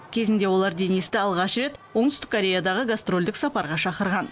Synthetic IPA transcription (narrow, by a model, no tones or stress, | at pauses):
kʲʰe̞zɪnd̪e̞wo̞lˠɑɾd̪e̞nijst̪ɪɑlˠʁɑʃɾe̞t̪woɴt̪ʏst̪ɪ̥kʰːoɾʲe̞jad̪ɑʁəɡast̪ro̞lʲd̪ɪksɑpɑɾʁɑʃɑqəɾʁɑn